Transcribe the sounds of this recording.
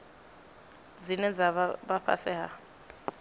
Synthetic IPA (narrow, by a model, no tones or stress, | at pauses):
d͡zinɛd͡zaabaɸa̰sɛha